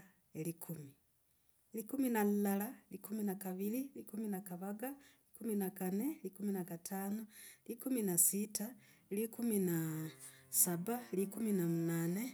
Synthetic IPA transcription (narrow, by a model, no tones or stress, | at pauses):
elikʰumi | elikuminalalalikuminakaβililikuminakaβaɡaelikuminakane̞likuminakatʰaːnolikuminasita | likumina | saβalikuminamunaːne